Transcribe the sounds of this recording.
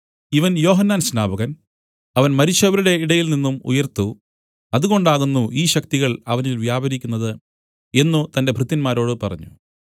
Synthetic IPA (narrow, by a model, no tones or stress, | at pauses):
iʋɐnjo̞ːɦɐnːaːnɕnaːbʱɐɣɐn | ɐʋɐnmɐɾit͡ɕːɐʋɐɾuɽe̞iɽɐjilninːumṵjɐrt̪u | ɐðuɣo̞ɳɖaːɣunːuʔiːɕɐk̚t̪iɣɐɭɐʋɐnilʋjaːbɐɾikʲːunːɐðɨ | e̞nːut̪ɐnde̞bʱrut̪ːinmaːɾo̞ːɽɨpɐrɐ̰ɲːṵ